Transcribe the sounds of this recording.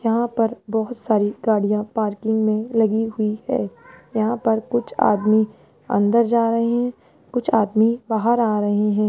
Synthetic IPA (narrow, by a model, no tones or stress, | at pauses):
jɐɦãpɐɾbɔɦʊt̪saːɾiɡaːɽijãpaːɾkɪ̃ŋɡmẽlɐɡiɦʊihɛ̰ːjɐɦãpɐɾkʊt͡ʃʰa̰ːd̪mi | ɐ̰̃nd̪əɾd͡ʒaːɾɐɦeɦɛ̃ | kʊt͡ʃʰaːd̪mibaːɦəɾaːɾɐɦeɦɛ̃ː